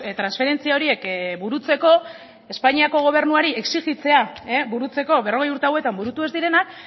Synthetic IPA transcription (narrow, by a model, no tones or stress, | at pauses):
t̪ɾansfe̞ɾe̞nt͡siao̞ɾie̞kbuɾut͡se̞ko̞ | e̞spaɲiako̞ɣ̞o̞β̞e̞ɾnuaɾie̞ksiɣit͡se̞aebuɾut͡se̞ko̞βe̞ro̞ɣe̞juɾt̪eawe̞t̪ambuɾut̪ue̞zd̪iɾe̞nak